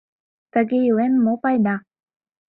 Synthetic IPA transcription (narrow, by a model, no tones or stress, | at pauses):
t̪əɡejuenmopajna